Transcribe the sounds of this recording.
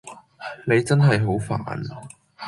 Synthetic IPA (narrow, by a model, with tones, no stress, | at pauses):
ne˨˧jt͡sɐ˥nɦɐ˨jɦo˨˥wfa̰ː˨n